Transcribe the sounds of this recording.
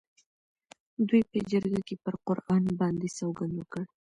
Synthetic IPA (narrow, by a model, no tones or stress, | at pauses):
d̪ujpəd͡ʒəɾɡakepəɾqʊɾʔɑnbɑnd̪esawɡand̪wəkəɽ